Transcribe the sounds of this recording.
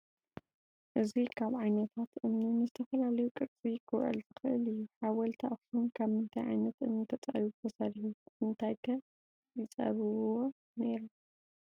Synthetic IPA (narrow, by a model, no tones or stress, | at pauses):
ʔɨzikʰaβʕajnɐt̪ʰat̪ʔɨmninɨzɨt̪ʰɐfɐlalɐjukʼɨɾt͡sʼikʰɨwʔɐ̰lz̥ɨxɨʔɨ̰lɨjːuħawɐlt̪ʰaʔxsumkʰaβmɨnt̪ʰajʕa̰jnɐt̪ʔɨnːɨt̪ʰɐt͡sʼɐ̰ɾiβt̪ʰɐsad̪iħummɨnt̪ʰajkʰɐ | jɪt͡sʼɐ̰βɨβɨwo | ne̞ɾu